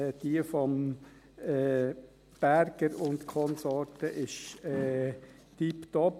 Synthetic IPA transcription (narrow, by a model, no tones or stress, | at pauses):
d̥iəfɔm | ɛː | b̥æɾɡ̥əɾʊnd̪kʰɔnsɔɾtəʔɪʃɛː | tipt̪ɔp